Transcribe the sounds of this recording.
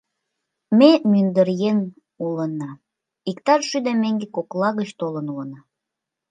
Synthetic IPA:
memynd̪əɾjen | ulənːɑ | ikt̪ɑrʃyd̪emeŋɡekoklɑɣət͡ɕt̪olənulənɑ

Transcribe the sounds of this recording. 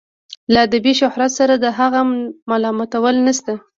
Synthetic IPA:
lad̪abiʃʊhɾat̪saɾad̪əɦaɣamalɑmat̪awəlnast̪a

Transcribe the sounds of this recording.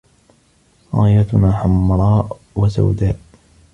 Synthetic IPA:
ɾa̰ːjat̪ʊnaːħamɾˤɑːʔ | wasa̰wd̪aːʔ

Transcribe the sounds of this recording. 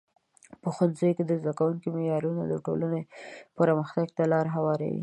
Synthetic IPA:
pəxanzojked̪əzd̪akawuŋkimejɑɾunod̪əʈo̰lanepəɾɑməxt̪aɡ̚t̪alɑɾɦawɑɾa̰wḭ

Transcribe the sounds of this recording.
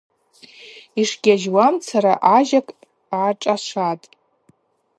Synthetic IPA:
iʂɡʲaʒwamt͡sʰaɾa̰ʔaʒakʼː | ʈ͡ʂʼaʂʷatʼ

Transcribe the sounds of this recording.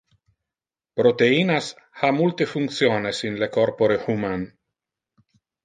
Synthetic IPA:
pɾot̪eiːnas | hamult̪efuŋkt̪sjoːnesinlekoɾpoɾehuman

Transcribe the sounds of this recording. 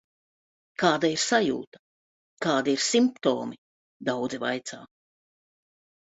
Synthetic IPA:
kaːd̪aiɾsajṵːt̪ɐ̥ | kaːd̪iɾsimpt̪oːmi | d̪awd̪zivajt̪saː

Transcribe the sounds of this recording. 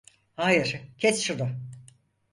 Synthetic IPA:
haːjiɾ̥cʰɛsʃunʊ

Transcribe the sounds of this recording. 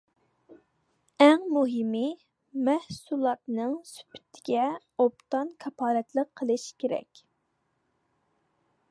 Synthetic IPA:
æŋmuɦɪmɪ | mɛhsulˠɑt̪nɨŋsy̥pʰy̥t̪ʰːɪ̥ɡʲɛ | op̚t̪ɑnkʰɑpʰɑːɾɛt̪ləqʰːəlˠɨʃkʲʰeɾɛ̰kʲ

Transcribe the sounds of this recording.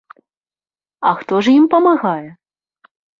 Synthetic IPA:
ɐxt̪ɔʐimpɐmaɣajɛ

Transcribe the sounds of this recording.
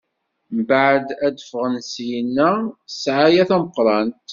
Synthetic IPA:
mbəʕd̪æd̪əfʁənsjənːæsʕajæθæməqːɾˤɑnt̪

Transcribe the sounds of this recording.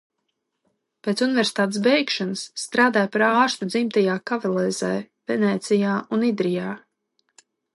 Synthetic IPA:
peːt̪sunɪvʲɛɾsi̥t̪aːt̪̬esbɛjkʃanəsːt̪ɾaːd̪aːjpaɾaːʃt̪ud̪zimt̪ajaːkavalˠɛːz̥ɛj | vɛnɛːt̪sʲijaːunid̪ɾijaː

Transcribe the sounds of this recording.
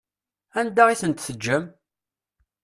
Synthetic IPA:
ænd̪aʁisənt̪θəd͡ʒːəm

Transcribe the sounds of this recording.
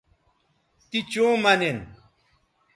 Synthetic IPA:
t̪it͡ɕõːmɐnen

